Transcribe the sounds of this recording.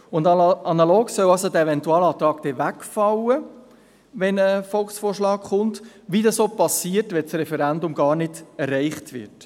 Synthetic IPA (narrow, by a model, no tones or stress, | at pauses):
ʊndɑnɑloːɡsœlɑlsodɛevɛntuɑːlɑːt̪ɾɑːɡ̥d̥ɛʋækfɑwə | ʋɛnəfɔlksfoːrʃlɑːkχʊnt | ʋidɑsoːpɑsiːəɾtʋɛsrɛfɛɾændʊmɡɑːɾnɪdɛrːɛɪχtʋɪ̰rt